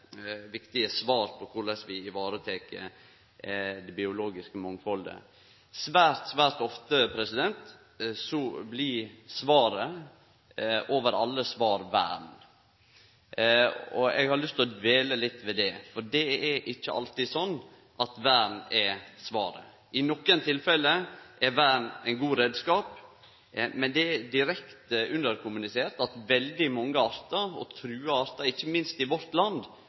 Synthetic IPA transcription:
ʋɪkt̪ɪəsʋɑːɾpʰɔkʰʊɭɛsʋɪɪʋɑːɾət̪ʰeːkə̰ | d̪ɛbɪʊloːɡɪskəmɔŋfɔld̪ə̰ | sʋæːɾt̪sʋæːɾt̪ɔft̪əpʰɾɛsɪd̪ɛnt̪ | sɔblɪsʋɑːɾə | ʔoːʋəɾɑlːəsʋɑːɾʋæ̰ːɳ | ɔɛ̰ɡhɑɾɭʏst̪ʰɪlɔd̪ʋeːləlɪt̪ːʋɛd̪ɛfɔɖɛɛɾʔɪçːəʔɑ̰lt̪ɪsɔnː | ʔɑt̪ʋæːɳɛsʋɑːɾə̰ | ɪnɔkːənt̪ʰɪlfɛlːəʔɛɾʋæːɳæɪnɡuːɾeːd̪skɑːp | mɛnd̪ɛɛd̪ɪɾɛkt̪ʉnd̪əɾkʰʊmʉnɪseːɾt̪ɑt̪ʋɛld̪ɪmɔŋːəɑɾt̪ɑɾɔ̰t̪ʰɾʉːɑɑɾt̪ɑɾɪçːəmɪnst̪ɪʋɔɾt̪lɑnd̪

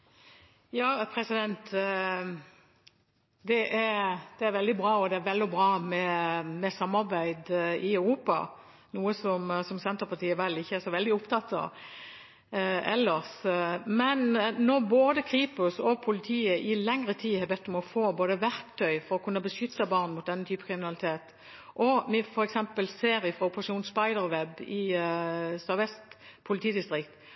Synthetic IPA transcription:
jɑːpʰɾɛsɪd̪ɛnt̪ | d̪ɛʔæɾd̪̥ɛæɾʋɛld̪ɪbɾɑːɔd̪ɛæɾʋɛld̪ɪbʁɑːmɛmɛsɑmːɑɾbæɪd̪ɪɑʉʁuːpɑ̰ | nuːəsɔmsɔmsɛnt̪ʁəpɑt̪ʰiːəʋɛlːɪçːəæɾsɔʋɛld̪ɪʊpt̪ʰɑt̪ːɑ̰ | ɛ̰lːəʁsmɛnːɔʁboːd̪əkʰɾiːpʊsɔpʰʊlɪt̪ʰiːəʔɪlɛŋʁət̪ʰiːhɛɑbɛt̪ːɔmɔfoːboːd̪əʋæʁkt̪ʰœʏfɔɾɔkʉnːəbəʂʏt̪ːəbɑʁnmʊt̪̚d̪ɛnːət̪ʰyːpə̥kʰʁɪmɪnɑlɪt̪ʰeːt̪ | ʔɔmɪfɔɾɛksɛmpəlseːɾɪfʁɑʊpʁɑʂuːnspɑɪd̪əɾʋɛbɪ | sɑʋɛst̪pʰʊlɪt̪ʰiːd̪ɪst̪ʁɪkt̪

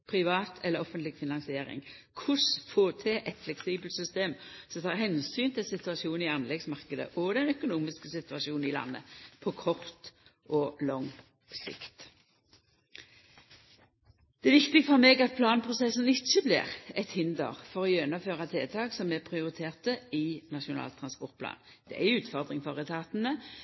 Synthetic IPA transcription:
pʰɾɪʋɑːt̪ʰɛləʁɔfənt̪lɪɡfɪnɑŋsɪeːɾɪ̰ŋ | kʰʊsfoːt̪ʰɛʔɛt̪flɛksiːbəlt̪sʏst̪eːmsɔmt̪ʰɑːɾhɛnsyːnt̪ʰɪlsɪt̪ʉɑsuːnɪɑnlɛɡsmɑʁkəd̪ə̰ʔɔd̪ɛnœkʊnuːmɪskəsɪt̪ʉɑʃuːnn̩ɪlɑ̰nːə̰pʰɔkʰɔʁt̪ʔɔlɔŋ | sɪ̰kt̪ | d̪̥ɛʋɪkt̪ɪɡəfɔʁmeːɡɑt̪̚pʰlɑːnpʰʁʊsɛsənɪt͡ʃːəblɪ̰ːʁɛt̪hɪnd̪ə̰ʁfɔʁɔjœnəføːʁɑt̪ʰeːt̪ʰɑːksɔmɛpʰɾɪʊʁɪt̪ʰeːʁt̪əɪnɑʂʊnɑ̰ːlt̪ʰɾɑnspɔʁt̪̚pʰlɑ̰ːn | d̪̥ɛ̰ʔæʉːt̪fɔʁd̪ʁɪŋfɔʁət̪ʰɑːt̪nə

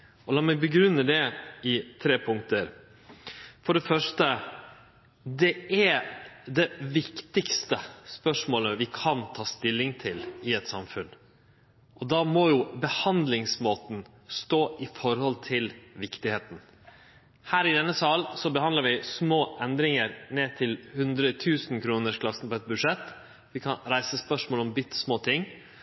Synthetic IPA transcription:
ɔlɑːmɛɪbəɡɾʉnːəd̪ɛɪt̪ʰɾeːpʰʊŋ̚t̪əɾ | fɔɖɛfœʂʈə | d̪ɛæd̪ɛʋɪkt̪ɪkst̪əspœʂmoːləʋɪkʰɑnt̪ʰɑːst̪ɪlːɪŋt̪ʰɪlɪɛt̪sɑ̰mfʉn | ʔɔd̪ɑmɔjʊbəhɑnd̪lɪŋsmoːt̪n̩ | st̪oːʔɪfɔɾhɔlt̪ʰɪlʋɪkt̪ɪheːt̪n̩ | hæːɾɪd̪ɛnːəsɑlsɔbəhɑnd̪ləɾʋɪsmoːʔɛnd̪ɾɪŋəɾneːt̪ʰɪlhʉnd̪ɾət̪ʰʉːsn̩kʰɾuːnəʂkʰlɑsn̩pɔɛt̪̚bʉd̪ʂɛt̪ː | ʋɪkʰɑnɾæɪsəspœʂmoːlɔmbɪt̪ːsmoːt̪ʰɪŋː

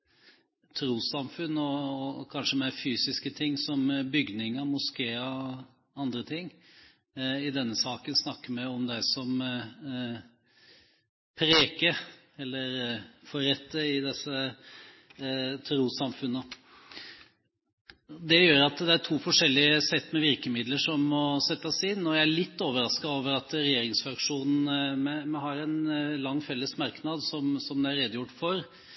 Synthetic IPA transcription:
t̪ʰɾuːsɑmfʉnːɔɔkʰɑnʂəmɛfyːsɪskət̪ʰɪŋːsɔmbʏɡnɪŋɑmʊskeːə | ɑnd̪ɾət̪ʰɪŋː | ɪd̪ɛnːəsɑːkənsnɑkːəmɛɔmd̪æɪsɔm | pʰɾeːkəɾ | ɛlːəɾfɔɾɛt̪ʰːəɪd̪ɛsə | t̪ʰɾuːsɑmfʉnːə | d̪ɛjøːɾɑt̪d̪ɛæɾʈʰuːfɔʂɛlːɪəsɛt̪ːmɛʋɪɾkəmɪd̪ləʂɔmːɔsɛt̪ːɑsɪnːɔjæɪæɭɪt̪ːoːʋəɾɑskɑoːʋəɾɑt̪ɾɛjeːɾɪŋsfɾɑkʂuːnn̩mɛmɛɦɑɾɛnlɑŋːfɛlːəsmɑɾknɑd̪sɔmsɔmd̪ɛæɾɛd̪əjʊʈːfɔɾ

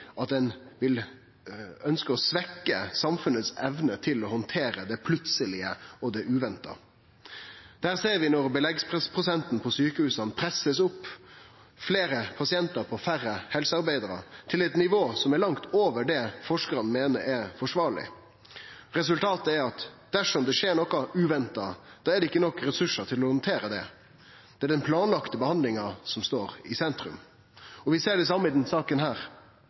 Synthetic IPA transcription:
ʔɑt̪̚d̪ɛnʋɪl | œnskəɔsʋɛkːə̰sɑmfʉnət̪sɛʋnət̪ʰɪlɔhɔnt̪ʰeːɾəd̪ɛpʰlʉt̪səlɪəɔd̪ɛʔʉːʋɛnt̪ə̰ | d̪̥æːʁseːɾʋɪnɔɾbəlɛɡspʰʁɛspʰɾʊsɛnt̪n̩pʰɔsyːkəhʉːsɑnpʰɾɛsəsʊpː | fleːɾəpʰɑsɪɛnt̪əɾpʰɔfæɾːəhɛlsəɑɾbæɪd̪əɾə̰t̪ʰɪlɛt̪nɪʋoːsɔmæɾlɑŋt̪oːʋəɖɛfɔʂkəɾɑnnmeːnəɾɛɾfɔʂʋɑːɾɭɪ̰ | ɾɛs̬ʉlt̪ʰɑːt̪əæɾɑt̪d̪̥æʂɔmd̪ɛʂeːɾnɔkɑʉːʋɛnt̪ɑd̪̥ɑːæɖ̪ɛɪkːənɔkːɾɛsʉʂːət̪ʰɪlɔhɔnt̪ʰeːɾəd̪ɛ̰ | d̪̥ɛæɖ̪ɛnpʰlɑːnlɑkt̪əbəhɑnd̪lɪŋɑsɔmst̪oːɾɪsɛnt̪ɾʉ̰m | ɔʋɪseːɖɛɪs̬ɑmːəɪd̪ɛnsɑːkənɦæːɾ

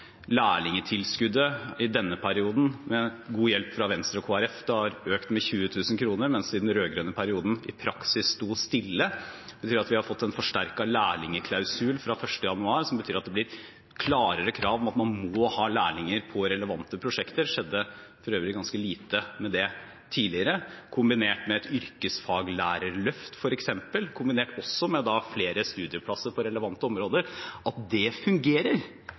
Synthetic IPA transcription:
læːɭɪŋət̪ʰɪlskʉd̪ːəɪd̪ɛnːəpʰæɾɪuːd̪n̩mɛɡuːjɛlpfɾɑʋɛnst̪ɾɔkʰoːæɾɛfd̪ɛhɑɾøːkt̪mɛçʉːət̪ʰʉːsən̩kʰɾuːnəɾmɛnsɪd̪nɾøːɡɾøːnəpʰæɾɪuːd̪n̩ɪpʰɾɑksɪsst̪uːst̪ɪlːəb̥ət̪ʰyːɾɑt̪ʋɪhɑfɔt̪ːɛnfɔʂʈæɾkɑlæːɭɪŋəkʰlɑʉsʉːlfɾɑfœʂʈəjɑnʉɑːɾsɔmbət̪yːɾɑt̪d̪ɛblɪɾ | kʰlɑːɾəɾəkʰɾɑːʋɔmɑt̪mɑnmɔːhɑːlæːɭɪŋəɾpʰɔɾɛləʋɑnt̪əpʰɾʊʂɛkt̪əɾʂɛd̪ːə | fɔɾøːʋɾɪɡɑnskəliːt̪əmɛd̪ɛ | t̪ʰiːlɪəɾəkʰʊmbɪneːʈmɛɛt̪ʏɾkəsfɑːɡlæːɾəɾɭœft̪fɔɾɛksɛmpəlkʰʊmbɪneːʈɔsːɔmɛd̪ɑfleːɾəst̪ʉːd̪ɪəpʰlɑsːəɾpʰɔɾɛləʋɑnt̪ːəɔmɾoːd̪əɾɑt̪̚d̪ɛfʉŋɡeːɾəɾ

